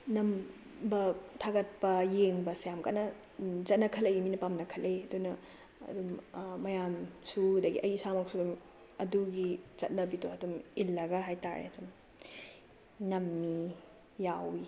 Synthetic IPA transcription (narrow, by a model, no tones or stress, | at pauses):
nɐm | bɐtʰaɡɐt̚pɐjeŋbɐsajamka̰nɐ | zɐt̚nɐkʰɐleiminɐpamnɐkʰɐleɐdunɐ | ɐ̰dumːɐjamsudɐɡḭʔɐjsamɐk̚sudum | ɐduɡit͡ʃɐt̚nɐbitoɐdumilːɐɡɐɦajta̰ɾḛɐdum | nɐmːi | jawi